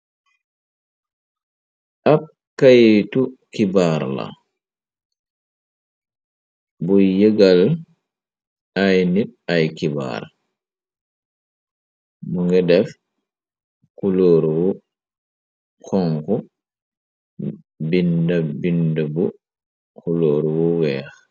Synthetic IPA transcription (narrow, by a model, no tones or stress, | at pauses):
ʔab̚ | kajtukibaɾla̰ | bɔjɛɡal | ajnit̚ajkiba̰ɾ | mɔŋɡɛdɛf | kuloːɾwɔ | kʰɔŋkɔ | bindabindabu | kuloːɾwɔwɛː